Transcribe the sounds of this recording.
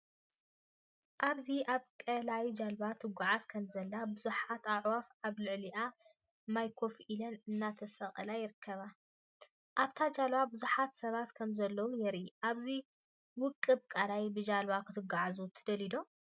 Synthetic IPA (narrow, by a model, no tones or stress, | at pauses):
ʔaβziʔaβkʼɐlajd͡ʒalbat̪ʰɨɡʷːuʕazkʰɐmzɐlːabɨzuħat̪aʕwafaβlɨʕliʔa | majkʰo̞fʔilɐnɨnːat̪ʰɐsɐχʼɐ̰lajɪɾɨkʰːɐβa | ʔaβt̪ʰad͡ʒalbabɨzuħat̪sɐβat̪kʰɐmzɐlːɐwujɛɾiʔaβzi | wʊkʼːɨbkʼɐlajbɨd͡ʒalbakʰɨt̪ʰɨɡaʕazut̪ʰɨd̪ɐlid̪o̞